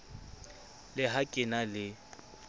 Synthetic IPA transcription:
lɪɦakʼɪnalɪ

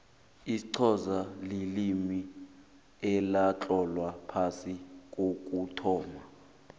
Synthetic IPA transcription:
isǀʰɔzalelimi | ɛlat͡ɬʼɔlwapʰasik̬ʼok̬ʼutʰɔːma

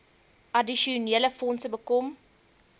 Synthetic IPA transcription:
adiʃoneləfɔnsəbəkɔm

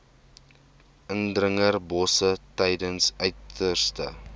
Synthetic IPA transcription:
ʔəndrəŋərbɔsətɛjdənsœɥtərstə̰

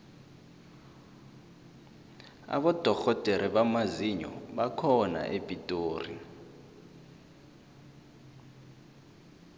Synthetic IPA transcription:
a̰ɓɔd̥ʱɔxɔd̥ʱeɾɛɓamaziɲɔ̰ɓakʰɔna̰ʔebʱʼitʼoːrḭ

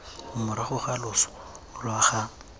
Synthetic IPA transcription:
mʊɾaχʊχalʊsɔ̥ | lʊaχaːm

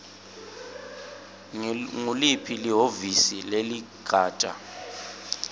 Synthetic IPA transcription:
ŋulipʰiliɦovisileliɡ̥ʱaːt͡ʃʼa̰

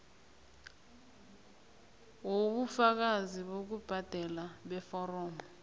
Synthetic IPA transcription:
woɓufak̬aziɓok̬ub̥ʱad̥ʱɛlaɓɛfɔrɔːmɔ

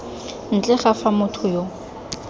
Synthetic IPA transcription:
n̩t͡ɬʼɛχafamʊtʰʊjo

